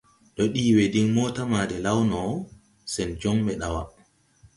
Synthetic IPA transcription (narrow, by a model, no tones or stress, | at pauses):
ɗɔɗiːwɛdinmɔːtamaːdɛlawnɔ | sɛnd͡ʒɔŋɓɛɗawa̰